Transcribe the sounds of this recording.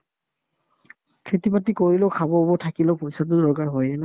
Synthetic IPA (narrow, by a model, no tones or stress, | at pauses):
kʰetipatikoɹiloʊkʰabɔbɔtʰakileʊpojsat̬ʊdɔɹkaɹɦɔjɛnɛ